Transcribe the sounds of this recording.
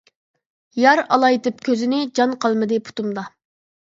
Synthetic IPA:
jɑɾɑlˠɑjt̪ɨp̚kʲʰøzɪnɪd͡ʒɑnqʰɑlˠmɨd̪ɨpʰu̥t̪umd̪ɑ

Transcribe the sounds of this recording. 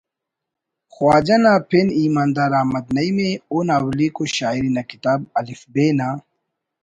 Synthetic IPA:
xwaːd͡ʑɐnapʰiniːmaːnd̪aːɾaːmɐt̪̚nɐimeonɐwlikoɕaːiɾinɐkit̪aːb̚ɐlifbeːna

